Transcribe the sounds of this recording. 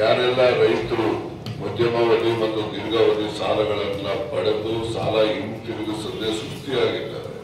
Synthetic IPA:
jaːɾɛlːɐɾɐjt̪ɐɾu | mɐd̪ʱjɐmɐʋɐɽimɐt̪ːud̪iɾɡɐʋɐnusaːlɐɡɐɭɐnːɐpɐɽɐb̪uusa̰ːlɐimʈiniɡesɐnd̪esust̪iaːɡid̪ːa̰ːɾe

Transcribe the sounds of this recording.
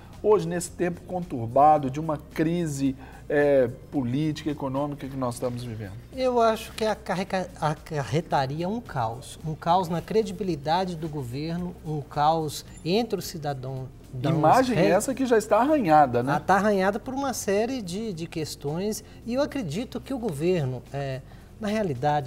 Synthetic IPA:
oʒɪnesɪ̥t̪ẽmpʊ̥kõnt̪uɾbad̪ʊd͡ʒɪũmɐkɾizɪ | ɛpolit͡ʃi̥kɐekonõmikɐkɪnɔzɪst̪ɐ̃mʊzvivḛ̃nd̪ʊewaʃʊ̥kɪakaɦekaakahet̪aɾiɐũkʰawsũkawznɐkɾed͡ʒibilid̪ad͡ʒɪd̪ʊɡoveɾnʊũkawz | ẽt̪ɾɪʊsid̪ad̪ɐ̃w̃ | d̪ɐ̃ĩmaʒẽjɛɛsɐkɪʒaɪst̪aaɦɐ̃ɲad̪ɐnɛt̪aaɦɐ̃ɲad̪ɐpoɾũmɐsɛɾɪd͡ʒɪd͡ʒɪkest̪õj̃s | ɪewakɾed͡ʒit̪ʊkɪʊɡoveɾnʊɛ | nɐɦealid̪ad͡ʒɪ

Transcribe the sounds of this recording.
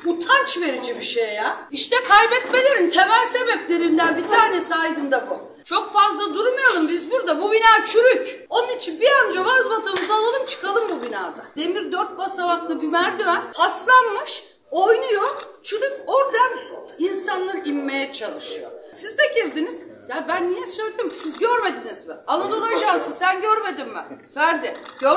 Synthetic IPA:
but̪ʰant͡ʃve̞ɾid͡ʒibiʃejjaiʃt̪ɛkʰajbɛt̪me̞lʲe̞ɾint̪ʰe̞mælʲse̞bɛplʲe̞ɾind̪ænbit̪ʰaːnɛsaːd̪ɯnd̪akʰom | t͡ʃʰo̞kfazlˠad̪uɾmujalˠɯmbizbuɾd̪abubinaːt͡ʃʰyɾyc | o̞nunit͡ʃʰinbiand͡ʒoβazβat̪ʰamɯzalˠalˠɯmt͡ʃʰɯ̥kʰalˠɯmbubinaːd̪ad̪̥e̞miɾd̪øɾt̪̚basaβaklˠɯbivæɾd̪ivɛhaslˠanmɯʃ | o̞jnujo | t͡ʃʰyɾycoɾd̪aninsanlˠaɾimːe̞jɛt͡ʃʰalˠɯʃɯjosizd̪ɛcʰiɾd̪iniz̥jabænːijɛsøjlʲed̪imcʰi̥sizɟøɾme̞d̪inizmɪalˠad̪olˠad͡ʒaːsɯnsænɟøɾme̞d̪imːɪfæɾd̪ɪɟ̥øɾ

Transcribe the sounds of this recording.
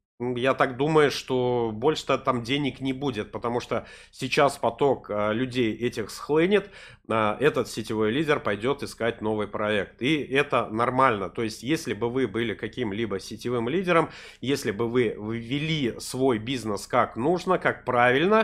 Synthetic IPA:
ujat̪akd̪uməjʊʂt̪o̞bo̞lʲʂɨ̥t̪ət̪amdʲenʲɪknʲɪbudʲɪt̪̚pət̪ɐmuʂt̪o | sʲɪt͡ɕaspɐt̪o̞kəlʲʉdʲejɛtʲɪxsxlˠɨnʲɪt̪ | aʔɛt̪ət̪sʲɪtʲɪvo̞jlʲidʲɪrpɐjdʲo̞t̪ɨskat̚ʲno̞vɨjpɾɐɛkt̪iʔɛt̪ənɐrmalʲnət̪o̞jɪsʲtʲjesʲlʲɪbɨvɨbɨlʲɪkɐkʲimlʲibəsʲɪtʲɪvɨmlʲidʲɪɾəm | jesʲlʲɪbɨvɨvʲːɪlʲisvo̞jbʲiznəskaknuʐnəkak̚pɾavʲɪlʲnə

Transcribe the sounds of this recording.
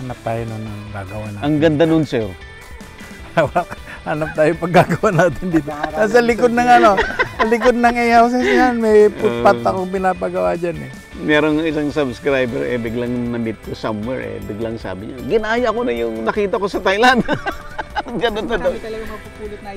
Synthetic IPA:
hanɐp̚t̪aːjononɐŋɡa̰ːɡɐwanaɐŋɡɐnd̪anonsɛɾ | wlakhanɐp̚t̪aːjopɐɡ̚ːaːɡɐwanaːt̪ɪnd̪iːt̪ot̪as̬ɐlɪkod̪̚nɐŋɐno̞sɐlɪkod̪̚nɐŋɛjhaws̬ɛsjanmɐjpʊt̪̚pat̪ːɐkoŋp̬ɪnaːpɐɡɐwad͡ʒanɛ | mɛɾoŋɪsaŋsɐbskɾajbɛɾɛ̰bɪɡlaŋnɐmɪt̪̚kosɐmwɛ̰ɹʔɛ̰bɪɡlaŋsa̰ːbɪɲaɡɪnaːjɐɐkonɐjʊŋnɐkiːt̪ɐkosɐt̪ajland̪ | ɡɐnond̪ɐd̪oɐɡaɐpʊpuːlɪ

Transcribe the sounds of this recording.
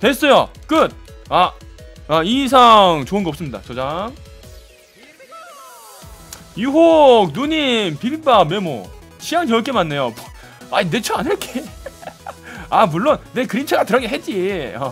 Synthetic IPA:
tes͈ʌjok͈ɯt̚aais̬ʰaŋt͡ɕoɯnɡʌʌp̚s͈ɯmɲida̰t͡ɕʌd͡ʑaŋ | juɦok̚nuɲimpiɾibamemo̰ | ɕʰijaŋt͡ɕʌɭk͈emanːe̞jom | aine̞t͡ɕʰoanɯɭk͈e | amuɭːonːe̞kɯɾint͡ɕʰaɡatɯɾʌɡeɦed͡ʑ͈iʌ

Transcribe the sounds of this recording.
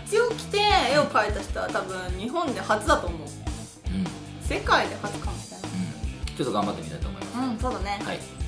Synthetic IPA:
ççit͡sɨo̞kʲi̥t̪e̞eokaet̪aɕi̥t̪aɾat̪abɯ̟̃ɲɲiɦõ̞nd̪e̞hazɨd̪at̪o̞ːmo̞ɯkne | ɯ̟̃ | se̞kaid̪e̞hazɨkãmɕi̥t̪anɯ̟̃t͡ɕot̪ːoɡãmbat̪ːemit̪a̰it̪oːmoḭma̰ɯ̟̃ɴso̞ːd̪ane̞ha̰i

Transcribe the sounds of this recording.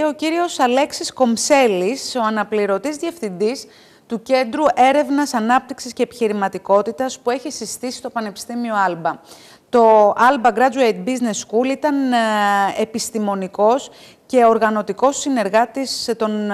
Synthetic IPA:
eo̞ciɾio̞sɐle̞ksisko̞mse̞liso̞ɐnɐpliɾo̞t̪izðʝefθind̪is | t̪uce̞nd̪ɾuʔe̞ɾe̞vnɐsɐnɐp̚t̪iksisce̞ːpiçiɾimɐt̪iko̞t̪it̪ɐspue̞çisist̪isi̥st̪o̞pɐne̞pi̥st̪imio̞ɐlbɐ | t̪o̞ʔɐlbɐɡɾɐd͡zuejt̪̚bizne̞skulit̪ɐn | e̞pist̪imo̞niko̞s | ce̞o̞ɾɣɐno̞t̪iko̞sine̞ɾɣɐt̪ist̪o̞n

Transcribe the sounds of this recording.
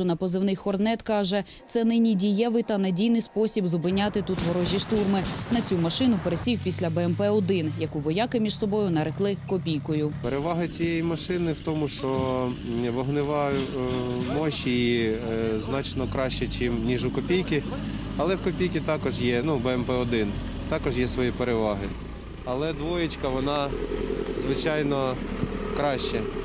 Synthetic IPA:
ʊnɐpɔzɪwnɪxxɔrnɛt̪kɑʒɛ | t̪sɛnɪnʲidʲijɛʋɪt̪ɐnɐdʲijnɪjspɔsʲibzɔbɪnʲːɑt̪ɪt̪ut̪ɦɔɾɔʒʲːiʃt̪urmɪnɐt͡sʲumɐʃɪnʊpeɾesʲiwpʲisʲlʲɐbeɛmpɛɔd̪ɪnjɐkuʋɔjɑkɪmʲiʃsɔbɔjʊnɐɾɪklˠɪkɔpʲijkɔjʊpeɾeʋɑɦɪt͡sʲijejimɐʃɪnɪwt̪ɔmʊʃt͡ʃɔ | ʋɔɦnɪʋɑ | mɔʃʲii | znɑt͡ʃnɔkɾɑʃt͡ʃɛt͡ʃɪmnʲiʒʊkɔpʲijkɪ | ɐlˠɛwkɔpʲijkʲit̪ɑkɔʒjɛnubeɛmpɛɔd̪ɪn | t̪ɑkɔʒjɛsʋɔjipeɾeʋɑɦɪ | ɐlˠɛd̪ʋɔjɪt͡ʃʲkɐʋɔnɑ | zʋɪt͡ʃɑjnɔ | kɾɑʃt͡ʃɛ

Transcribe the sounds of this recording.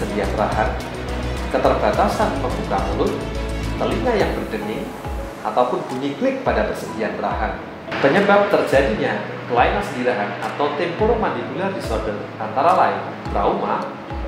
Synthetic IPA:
əndianra̰ɦan | kət̪ərbat̪asanməmbukaŋulʊt̪̚t̪əliŋajaŋbərdənɪŋ | at̪awpʊnb̥uɲiɡlɪk̚padapərsədianra̰ɦan | pəɲəbap̚t̪ərd͡ʒadiɲa | kəlaɪnansəndiɾaɦanat̪awt̪ɛmpoɾomandimulardisɔdərant̪aɾalaɪn | b̥ɾauma

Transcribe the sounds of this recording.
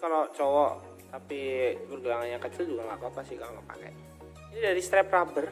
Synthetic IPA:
kalot͡ʃɔwɔʔ | t̪apibərɡulaŋanjakət͡ʃɪld͡ʒuɡaŋlakuapasɪhkaloŋəpa̰kɛ̰j | it̪udaɾist̪ɾɛprabər

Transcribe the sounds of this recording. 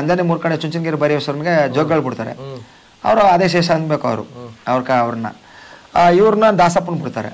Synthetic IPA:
ɐnd̪enemuːɾkɐɳet͡ʃuɲt͡ʃinɡeɾubɐɾiʋɐsɐɾɐnɡed͡ʒoɡɡɐɭbuɽt̪aːɾḛ | ɐ̰ʋɐɾuɐd̪eʃ̬eːʃɐɐnbeːkuɐ̰ʋɾṵɐʋɐɾkaɐʋɾɐnːɐ̰ | iʋɐɾunɐd̪aːsapːunbiɽt̪aːɾḛ

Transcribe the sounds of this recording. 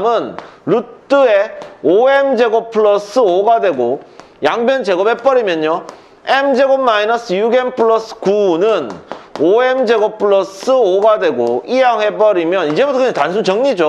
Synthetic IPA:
mɯnɾut͈ɯeoemd͡ʑe̞ɡʌp̚pʰɯɭʌs͈ʰɯoɡadwe̞ɡo | jaŋbjʌnd͡ʑe̞ɡʌb̚he̞p͈ʌɾimjʌɲɲo | emd͡ʑe̞ɡob̚mainʌs͈ʰɯjuɡenpʰɯɭʌs͈ʰɯ̥kunɯnoemd͡ʑe̞ɡʌppʰɯɭʌs͈ʰɯoɡadwe̞ɡo̰ijaŋɦe̞p͈ʌɾimjʌnid͡ʑebutʰʌkʰɯatans̬ʰunt͡ɕʌŋɲid͡ʑo

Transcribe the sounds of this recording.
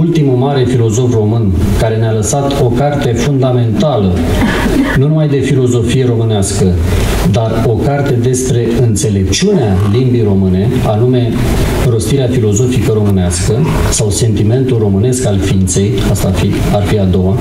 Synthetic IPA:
ult̪imumaɾe̞filo̞zo̞fro̞mɨn | kaɾe̞nealəsat̪ʰo̞kart̪e̞fund̪ame̞nt̪alə | nunumajd̪e̞filo̞zo̞fije̞ɾo̞mɨneaskə | d̪ar | o̞kart̪e̞d̪e̞spɾe̞ɨnt̪se̞le̞p̚t͡ʃiunea | limbijro̞mɨne̞ | anume̞ | ro̞st̪iɾeafilo̞zo̞fikəɾo̞mɨneaskə | sawse̞nt̪ime̞nt̪ulro̞mɨne̞skalfint̪se̞j | ast̪afi | arfiad̪o̞wa

